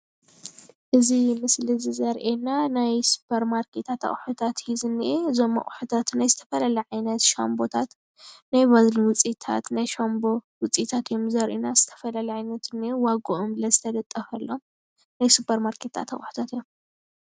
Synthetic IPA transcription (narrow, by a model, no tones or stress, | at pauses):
ʔɨzimɨslizizɐɾʔenanajsu̥pʰɐɾmaɾkʰet̪ʰat̪ʰɐ̰χʼħut̪ʰat̪jizɨnːiʔezo̞mːɐ̰χʼħut̪ʰat̪najzɨt̪ʰɐ̥fɐlalɐʕajnɐt̪ʃa̰mbo̞t̪ʰat̪ | najβazliwʊt͡sʼit̪ʰa̰t̪najʃambo̞wʊt͡sʼit̪ʰat̪jomzɐɾʔenaz̥ɨt̪ʰɐ̥fɐlɐlɐʕajnɐt̪ʰɨniewaɡoʔomlɐzɨt̪ʰɐd̪ɐt̪ʼːɐfɐlːom | najsupʰɐɾmaɾkʰe̞t̪ʰa̰t̪ʰɐ̰χʼħu̥t̪ʰat̪jom